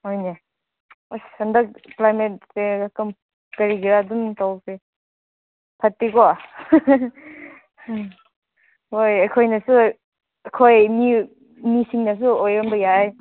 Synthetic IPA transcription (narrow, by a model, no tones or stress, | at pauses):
hojne | ojsɐndɐk̚plajmet̚seakɯm | kɐɾiɡiɾaduntawkʰe | pʰɐt̚pikɔ | hojɐkʰojnɐsu | ɐkʰojmi | misiŋnɐs̬uojɔmbɐjaj